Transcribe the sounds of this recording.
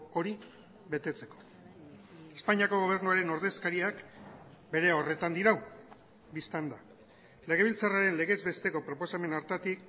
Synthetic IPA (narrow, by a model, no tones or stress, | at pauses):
o̞ɾi | βe̞t̪e̞t͡se̞̥ko̞̥ | espaɲiako̞ɣo̞β̞e̞ɾnuaɾe̞no̞ɾðeskaɾiakbe̞ɾe̞o̞re̞t̪and̪iɾaw | bist̪and̪a | le̞ɣ̞e̞βilt͡saraɾe̞nle̞ɣe̞zβe̞st̪e̞ko̞pɾo̞po̞same̞naɾt̪at̪ik